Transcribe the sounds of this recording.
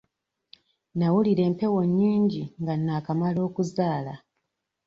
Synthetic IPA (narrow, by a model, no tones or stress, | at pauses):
nawuliɾe̞ːmpe̞wo̞ɲːiːɲɟiŋɡanːaːkamalo̞ːkuzaːla